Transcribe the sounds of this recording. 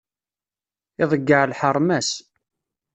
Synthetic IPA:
ɪðˤəɡːəʕlħəɾˤmæs

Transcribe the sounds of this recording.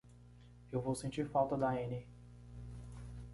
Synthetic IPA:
ewvowsẽnt͡ʃiɾfawt̪ɐd̪ɐẽni

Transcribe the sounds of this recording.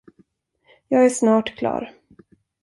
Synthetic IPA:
jɑːɡæʂnɑːʈkʰlɑ̰ːɾ

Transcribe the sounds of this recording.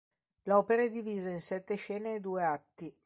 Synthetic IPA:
lɔːpeɾaed̪iviːzainsɛt̪ːeʃɛːneːd̪uːeat̪ːi

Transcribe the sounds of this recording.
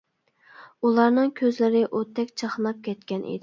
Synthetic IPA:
ulˠɑɾnɨŋkʲʰøzlɪɾɪʔøt̪ʰːɛkʲt͡ʃʰəχnɑp̚kʲʰɛt̪kʲɛnʔḭd̪ɪ

